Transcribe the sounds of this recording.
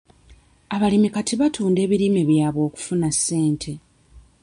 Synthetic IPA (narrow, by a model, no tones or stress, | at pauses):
aβalimikatiβatʰuːnde̞ːβiɾime̞βjaːβwo̞ːku̥funasːe̞ːntʰe̞